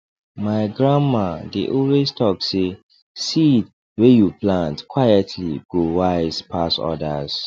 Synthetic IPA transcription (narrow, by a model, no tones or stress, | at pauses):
maɪɡɹãmmadeʔɔlwestʰɔk̚se | sid | wejuplãntkʰwajɛtʰlḭɡ̥owaɪzpʰasɔ̰daz̥